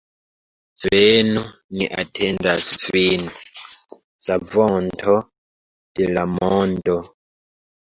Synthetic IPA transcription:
ɾenunḭʔatʰɛndasvinu | savɔntʰɔ | d̥elamɔndɔ

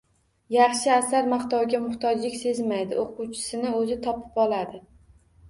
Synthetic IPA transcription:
jɑχʃɪasaɾmaχt̪ɒwɡʲamʊht̪ʰɒd͡ʒlɪkʲse̞zmajd̪ɪ̰oqʰuwt͡ʃʰɪ̥sɪnɪɵzɪt̪ʰɒpʰɪ̥pɒlˠad̪ɪ

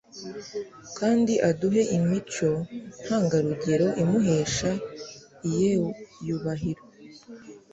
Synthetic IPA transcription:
kaːndiʔaduɦe̞ʔimit͡ʃo̞n̥haːŋɡaɾuɟe̞ɾo̞ʔimuɦe̞ːʃa | ijejuβaɦiɾo

